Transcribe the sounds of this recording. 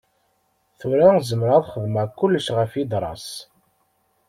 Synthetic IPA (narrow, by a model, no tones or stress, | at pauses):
θuɾæzəmɾæðχəðmækːʊlːəʃʁəfid̪ɾˤɑ̰s